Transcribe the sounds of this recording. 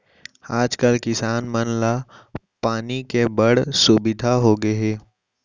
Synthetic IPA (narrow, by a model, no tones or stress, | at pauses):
aːd͡ʒkəlkɪsaːnmənla | paːnikebəɽ̤subɪd̪ʱaɦoɡəeː